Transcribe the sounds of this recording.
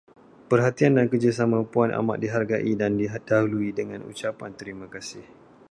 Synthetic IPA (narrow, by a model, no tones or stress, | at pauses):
pərɦat̪iandankəd͡ʒasamãpuana̰ma̰ʔ̚diɦarɡaʔidandiɦadaɦuluidəŋãnṵt͡ʃapant̪əɾimãkasɪh